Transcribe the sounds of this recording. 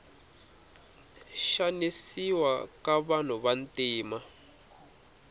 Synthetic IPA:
ʃanisiwakaβan̤uβantiːma

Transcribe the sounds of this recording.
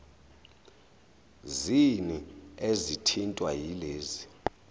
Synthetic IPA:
ziniezitʰintʼwajileːzi

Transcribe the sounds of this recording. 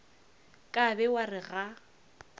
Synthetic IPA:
kʼabɛwarɪɣa

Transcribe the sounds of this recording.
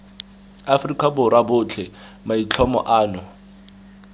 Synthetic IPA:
afrikʼabʊɾabʊt͡ɬʰɛ | mait͡ɬʰɔmɔ̰ʔaːnɔ

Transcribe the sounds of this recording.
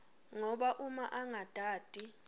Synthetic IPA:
ŋɔɓaʔuma̰ʔaŋad̥ʱaːd̥ʱi

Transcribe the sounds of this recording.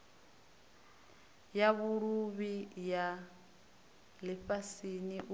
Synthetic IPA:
jaβuɺuβija | lɪɸasiniʔu

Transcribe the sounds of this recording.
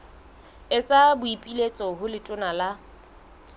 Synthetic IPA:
ɪt͡sʼabʊipʼilet͡sʼɔɦʊlɪtʼʊnala

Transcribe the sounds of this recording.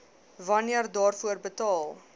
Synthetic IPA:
vɐniərdɑːrfuərbətɑːlˠ

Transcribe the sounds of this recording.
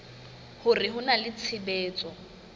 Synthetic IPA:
hʊrɪɦʊnalɪt͡sʰɪbɛːt͡sʼɔ

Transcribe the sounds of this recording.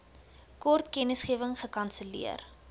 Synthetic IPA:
kɔrtkɛnəsχiəvəŋχəkɐnsəlḭə̰r

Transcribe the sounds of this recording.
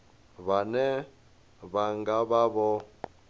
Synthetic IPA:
βanɛ | βaŋɡaβaβɔ

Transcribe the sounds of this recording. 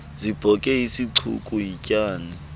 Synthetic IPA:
zib̥ʱɔkʼɛisiǀʰṵkʼujicʼaːni

